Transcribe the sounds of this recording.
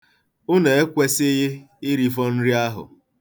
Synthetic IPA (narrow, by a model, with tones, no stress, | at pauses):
ʊ˦ne˨e˦kʷe˦se˦ɦe˦ | ɪ˦ɾi˦fɔ˦n̩˦ɾi˦a˦ɦʊ̰˨